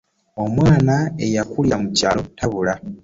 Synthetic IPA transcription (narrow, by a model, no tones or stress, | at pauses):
o̞mwaːnaejakuljamucaːlo̞tʰaβula